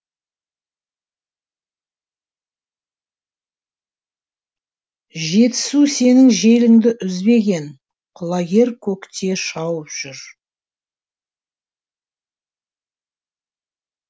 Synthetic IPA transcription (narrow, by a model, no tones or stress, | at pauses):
ʒe̞t̪ɪ̥suse̞nɪŋʒe̞lɪŋd̪ɪʔʏzbe̞ɡʲe̞n | qʰʊlˠɑɡʲe̞ɾkʲʰɵkt̪ʰe̞ʃɑwəpʒ̥ʏɾ